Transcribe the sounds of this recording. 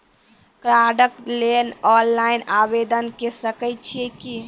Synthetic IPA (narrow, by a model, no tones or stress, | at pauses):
kɾaɖəklenɔnlainabed̪ənkesəkəj̚t͡ʃʰiɛki